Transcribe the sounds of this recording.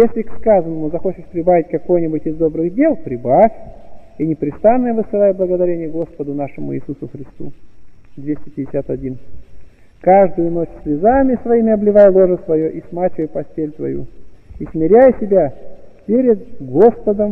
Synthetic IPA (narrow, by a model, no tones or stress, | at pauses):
jesʲlʲɪkskazənːəmʊzɐxo̞t͡ɕɪʂpɾʲɪbavʲɪtʲkɐko̞jnʲɪbʊtʲɪzd̪o̞bɾɨɣdʲe̞lˠpɾʲɪbafʲinʲɪpɾʲɪst̪anːəjəvɨsɨlˠajblˠəɡəd̪ɐɾʲenʲɪjəɡo̞spəd̪ʊnaʂɨmʊḭːsusʊxɾʲɪst̪ṵd̪vʲesʲtʲɪpʲɪdʲɪsʲat̪ɐdʲin | kaʐd̪ʊjʊno̞t͡ɕsʲlʲɪzamʲɪsvɐimʲɪɐblʲɪvajlˠo̞ʐəsvɐjoʔismat͡ɕɪvəjpɐsʲtʲelʲt̪vɐ̰jṵismʲɪɾʲæjəsʲɪbʲapʲeɾʲɪd̪ɡo̞spəd̪əm